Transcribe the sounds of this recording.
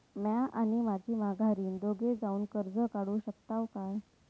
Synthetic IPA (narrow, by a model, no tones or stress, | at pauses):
mjaʔañimad͡ʑʱiːmaɡʱaɾiːnd̪oɡed͡zauːnkəɾd͡zəkaɽuːɕək̚t̪aʋkaj